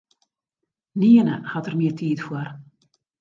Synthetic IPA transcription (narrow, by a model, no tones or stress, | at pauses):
niənəxatərmɪətʰiːtfwor